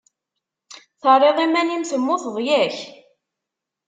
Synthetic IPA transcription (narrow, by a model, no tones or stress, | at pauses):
θərˤːeðˤimænimθəmːʊθəðˤjæç